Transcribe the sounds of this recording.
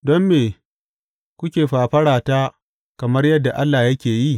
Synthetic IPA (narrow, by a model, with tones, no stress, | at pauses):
dɔ˦mːeː˨ | kʷʊ˦kʲeː˨ɸaː˨ɸɐ˦ɽaː˨taː˦ | kɐ˨mɐ˦rjɐ˦dːa˨ʔa˦lːaː˨jɐ˦kʲeː˨ji˦˨